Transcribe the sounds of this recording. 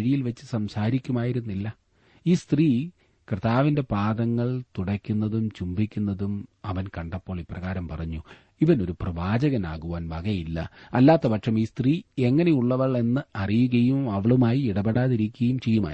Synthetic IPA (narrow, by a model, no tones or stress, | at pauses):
ɻijilʋɐt͡ɕːɨsɐmsaːɾikʲːumaːjiɾunːilːɐ | iːst̪riː | krɨt̪aːʋinde̞praːðɐŋːɐɭt̪uɽɐkʲːunːɐðumt͡ɕumbikʲːunːɐðumɐʋɐnkɐɳɖɐpːo̞ːɭiːpːrɐɣaːɾɐmpɐrɐɲːu | iʋɐno̞ɾuprɐʋaːd͡ʑɐɣɐnaːɣuʋaːnbɐɣɐjilːɐ̰ɐlːaːt̪ːɐpɐʈʂɐmiːst̪riːe̞ŋːɐne̞juɭːɐʋɐɭe̞nːɨɐrijuɣɐjumɐʋɐɭumaːjiiɽɐbeɽaːðiɾikʲːuɣɐjumt͡ɕe̞jːuma̰ː